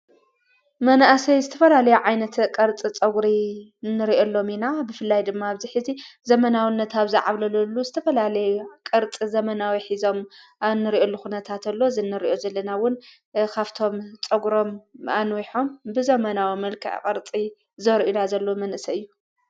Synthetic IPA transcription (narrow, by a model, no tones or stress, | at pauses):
mɐnaʔasɐjzɨt̪ʰɐfɐlalɐjuʕajnɐt̪kʼɐɾt͡sʼit͡sʼɐɡɾinːɨɾiʔolːo̞minabɨfɨlːajd̪ɨmːaːβziħɨzizɐmɐnawɨnːɐt̪aβzɐʕaβlɐlɐlːuzɨt̪ʰɐfɐlalɐjukʼɐɾt͡sʼizɐmɐnawiħizo̞manːɨɾiʔolːuxunɐt̪ʰat̪alːo̞zɨnːɨɾiʔo̞zɐlːɐnawʊn | kʰaβt̪ʰo̞mt͡sʼɐɡɾo̞mʔa̰nwiħo̞mbɨzɐmɐnawimɐlkʰɨ̰ʕ̰kʼɐɾt͡sʼi | zɐɾʔunazɐlːo̞mɐnʔɨsɐɨjːu